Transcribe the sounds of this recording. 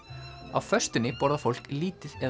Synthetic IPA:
a̰vfœ̥st̪ɪnːɪpɔːɾðafowl̥kliːt̪ɪðɛ

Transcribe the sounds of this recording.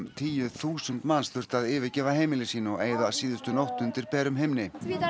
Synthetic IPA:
t̪ʰiːjʏθuːsʏnt̪manst̪ʏr̥t̪aðɪːvɪcɛːvaɦeːjmɪlɪsiːnɔɣeːjðasiːðʏst̪ʏnowht̪ʏnt̪ɪɾpɛːɾʏmɦejmnɪ

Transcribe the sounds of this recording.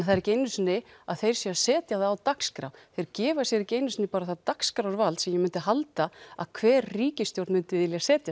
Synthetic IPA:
θaðɾceːjnʏsnɪaðθejɾ̥sjɛasɛːt̪jaðːwt̪akskɾa̰wθejɾcɛːvasjɛɾɪceːjnʏsnɪpaːɾaθaðt̪akskɾawɾvalt̪sɛmjɛmʏnt̪ɪɦalt̪aa̰ðkʰvɛːɾriːcɪst̪jowɾt̪mʏnt̪ɪvɪðɪljasɛːt̪ja

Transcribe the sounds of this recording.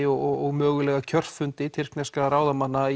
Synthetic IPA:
ɔɣɔɣmœːɣʏlɛːɣacʰœr̥fʏnt̪ɪt̪ʰɪr̥knɛskaɾaːwðamanːa

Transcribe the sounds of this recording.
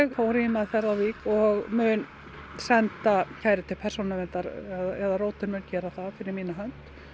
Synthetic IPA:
ɣfawɾimaðθɛɾðawviːkɔɣmʏːn | sɛnt̪acʰajɾɪt̪ʰɪlpʰɛɾ̥sownavɛnt̪aɾɛðaɛðaroːwt̪ʏnmʏncɛːɾaθaðfɪɾɪɾmiːnaɦœnt̪

